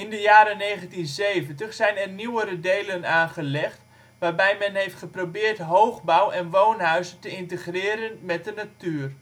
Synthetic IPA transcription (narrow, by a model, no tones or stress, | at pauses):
ɪndəjaːɾəneːɣəntinzeːvəntəχsɛjnɛrniwəɾədeːlənaːnχəlɛxt | ʋaːrbɛjmɛnɦejftχəprobɪːrtɦoːwχbawʔɛnʋoːnɦœɥzəntəɪntəχrɪːɾənmɛt̚dənatyːər